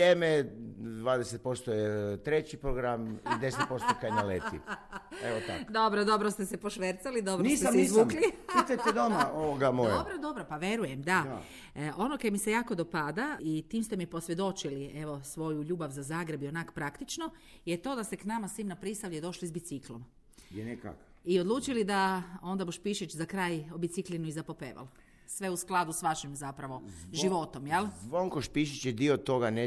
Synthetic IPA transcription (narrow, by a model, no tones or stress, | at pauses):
jemed̪ʋaːd̪eset̪̚po̞st̪ojet̪ɾet͡ɕipɾoɡɾamid̪e̞set̪po̞st̪okajenalet̪ḭeʋot̪a̰d̪o̞bɾod̪o̞bɾost̪esepoʃʋeɾt̪salid̪o̞bɾnosiːseameizʋuːklipit̪ajt̪ed̪omaoʋoɡamojabɾod̪o̞bɾopaʋje̞ɾujemd̪a | ʔo̞nokemisejaːkod̪o̞pad̪ait̪iːmst̪e̞mipo̞sʋje̞d̪o̞t͡ʃilie̞ʋo̞sʋo̞juʎuːbaʋzazaːɡɾe̞bio̞nakpɾakt̪it͡ʃno̞ | jet̪o̞ːd̪ast̪e̞knamasʋiːmnapɾist̪aʋʎed̪o̞ʃlizbit̪siklˠo̞̰m | neka̰k | iod̪lˠuːt͡ʃilid̪ao̞nd̪abuʃpiʃit͡ʃzakɾaːjobit̪siklinuizapopeːʋa̰l | sʋe̞usklˠad̪usʋaʃimzapɾaʋo̞ʒiʋo̞t̪o̞mjelzʋoŋkoʃpiʃ̬it͡ʃjed̪iot̪o̞ɡane